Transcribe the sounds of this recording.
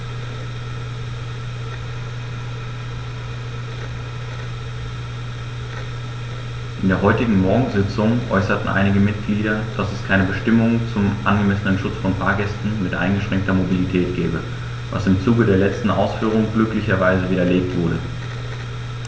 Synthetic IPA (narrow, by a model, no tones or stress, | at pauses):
ʔɪndeːɐɦɔʏtɪɡŋ̩mɔɐɡŋ̩zɪt͡sʊŋʔɔ̰ʏsɐtn̩ʔa̰ɪnɪɡəmɪt̚ɡ̥liːɾɐd̥asɛskʰaɪnəbəʃtɪmʊŋt͡sʊmʔanɡəmɛsənənʃʊt͡sfɔnfaɐɡɛstn̩mɪtʔa̰ɪnɡəʃʁ̥ɛŋk̚tɐmobilitʰɛːt̚ɡ̥ɛːbə | va̰sɪmt͡suːɡədeːɐlɛt͡stn̩ʔa̰ʊsfyːʁ̞ʊŋɡlʏklɪçɐvaɪzəviːdɐleːk̚tv̥ʊɐɾə